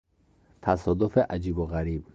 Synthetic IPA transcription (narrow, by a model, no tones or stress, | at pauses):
t̪ʰasɔd̪ufeʔad͡ʒibuɣaɾib̚